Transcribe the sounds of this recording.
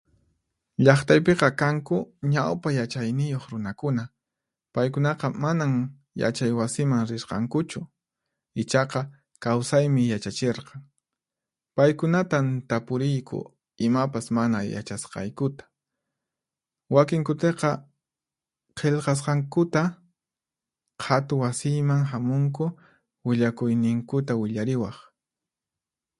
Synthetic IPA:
ʎɑχt̪ajp̬eqɑkaŋkʊɲawpajat͡ʃajnɪjoχɾʊnakʊna | pajkʊnɑqɑmanaŋ | ja̰t͡ʃajwasɪmaŋɾɪɾqɑ̰ŋkʊt͡ʃʊ | ɪt͡ʃɑqɑ | kawsajmɪjat͡ʃat͡ʃeɾqɑŋ | pajkʊnat̪ant̪apʊɾɪjkʰʊ̰ | ɪmapasmanaja̰t͡ʃasqɑ̰jkʊt̪ḁ | wakɪŋkʊt̪eqɑ | qʰeʎqɑs̬qɑŋkʊt̪a | hʰat̪ʊwasɪjmaŋhamʊŋk̬ʊ | wɪʎakʊjnɪŋkʊt̪awɪʎaɾɪwɑχ

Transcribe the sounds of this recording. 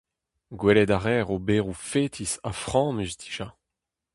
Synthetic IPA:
ɡwɛlɛdaʁɛːʁobeːʁufeːt̪ʰisafχɑ̃mysd̪i̥ʒ̥a

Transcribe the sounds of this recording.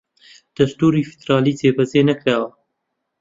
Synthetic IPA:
d̪̥ɐst̪uːɾiːfi̥d̪ɾɑːliːzeːbɐzeːnɐkɾaːwɐ

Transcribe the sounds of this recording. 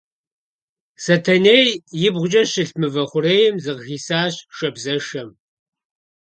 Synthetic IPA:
sɐtʰɐneːjjɪbʁʷʊd͡ʒʼɐɕɪɬmɨvɐχʷʊreːjɪmzɨʁɣiːsaːɕʃɐbzɐʂɐm

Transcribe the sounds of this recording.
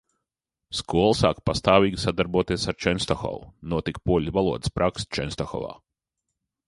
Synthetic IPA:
skuɔlˠsa̰ːkpast̪aːviːɡʲisad̪aɾbuɔt̪iɛsaɾt͡ʃɛnst̪ɔxɔ̰vunuɔt̪ikpuɔlʲvalˠuɔd̪ɨ̥spɾʔakst͡ʃɛnst̪ɔxɔ̰va̰ː

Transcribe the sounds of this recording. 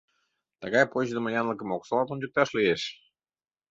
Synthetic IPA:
t̪əɣɑjpoʑd̪ə̆məjɑnlək̬ə̆moksolɑt̪unʲd͡ʑək̚t̪ɑʃlieʃ

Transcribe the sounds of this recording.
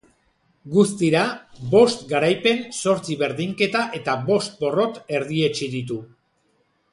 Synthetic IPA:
ɡust̪iɾabo̞st̪ɡaɾajpe̞nso̞ɾt͡siβe̞ɾðiŋke̞t̪aʔe̞t̪aβo̞st̪̚bo̞ro̞t̪e̞ɾðie̞t͡ʃiðit̪u

